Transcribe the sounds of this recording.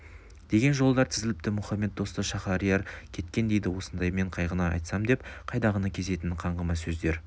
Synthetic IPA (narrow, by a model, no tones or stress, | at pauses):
d̪̥e̞ɡʲe̞nʒo̞lˠəd̪ɑɾt̪ʰɪzɪlɪp̚t̪ɪmʊχɑmːe̞t̪̚d̪o̞st̪əʃɑχɑɾijɑɾkʲʰe̞t̪kʲe̞nd̪e̞jd̪ɪwo̞sənd̪ɑjme̞ɴqʰɑjʁənɑɑ̰jt̪sɑmd̪e̞pqʰɑjd̪ɑʁənɑkʲʰe̞ze̞t̪ɪnqʰɑɴʁəmɑsɵzd̪e̞ɾ